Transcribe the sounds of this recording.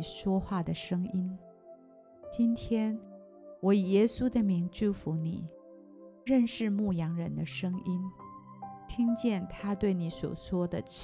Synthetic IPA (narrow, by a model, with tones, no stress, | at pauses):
ʂwɔ˥xwa˥˩d̪ə˩ʂɤ˥ŋi˥n | t͡ɕi˥nt̪ʰjɛ˥n | wɔ˧˥i˨˩jɛ˥su˥d̪ə˨mi˧˥ŋt͡ɕu˥˩fu˧˥nḭ˨˩˦ | ɻə˥˧nʂɻ̩˥˧mu˥˩jɑ˧˥ŋɻə˧˥nd̪ə˧ʂɤ˥ŋi˥n | t̪ʰi˥ŋt͡ɕjɛ˥˩nt̪ʰa˥t̪we˥˩ɪni˧˥swɔ̰˨˩ʂwɔ˥d̪ə˨t͡ɕ